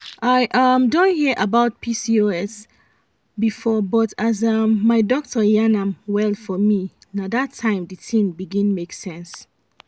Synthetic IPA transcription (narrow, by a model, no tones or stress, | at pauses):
ʔaɪʔʌmdõnhiʔabaʊt̚pʰisioɛs | bifɔbɔtʰazʌmːaɪdɔk̚tʰəjanãmwɛlˠfɔmi | nadatʰːãɪ̃mdɨtʰĩmbiɡĩnmeksɛ̃ns